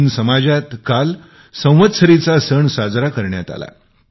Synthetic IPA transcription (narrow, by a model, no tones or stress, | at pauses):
nsəmad͡ʑat̪kal | sə̃w̃ʋət̪səɾit͡sasəɳsad͡zɾakəɾɳjat̪a̰la̰